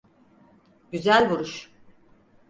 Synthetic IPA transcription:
ɟyzælʲβuɾuʃ

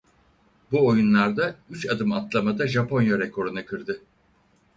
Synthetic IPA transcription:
buojunlˠaɾd̪ayt͡ʃad̪ɯmat̪lˠamad̪aʒapʰo̞njaɾɛkʰo̞ɾunɯkʰɯɾd̪ɯ

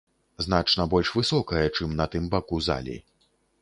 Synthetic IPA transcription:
zn̪at͡ʂnɐbɔlʲʂvɨsɔkɐjɛt͡ʂɨmnɐt̪ɨmbakuza̰lʲḭ

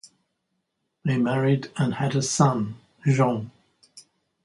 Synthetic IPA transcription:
ðeɪmæɹidə̃nɨɾəsʌ̃n | ʒɑ̃

